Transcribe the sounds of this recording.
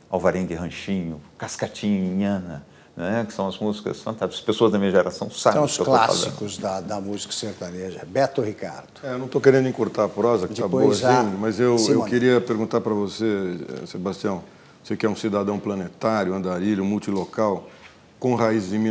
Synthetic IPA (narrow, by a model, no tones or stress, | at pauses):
a̰wvaɾẽɡɪhɐ̃ʃĩɲʊkaskat͡ʃĩɲĩɲɐ̃nɐ | ñɛkɪ̥sɐ̃w̃ɐzmuzikɐ̰sɐ̃nt̪aspesoɐzd̪ɐmĩɲɐʒeɾasɐ̃w̃sabsʊksewkloafa̰zsɐ̰̃ikʊzd̪ɐd̪ɐmuzi̥kɐ̥seɾt̪ɐ̃neʒɐbɛɾt̪ʊhika̰ɾd̪ʊɛenɐ̃w̃t̪owkeɾẽnd̪ʊĩkoɾt̪aɾɐpɾɔzɐkɪabboɐsĩmɐzewewkeɾiɐpeɾɡũt̪aɾpɾɐvoseɛ̰sebast͡ʃiɐ̃w̃ | sekɪɛũsid̪ad̪ɐ̃w̃plɐnet̪aɾjʊɐ̃nd̪aɾilʊ̃muwt͡ʃilokaw | kõhaizɪzɪ̃mĩ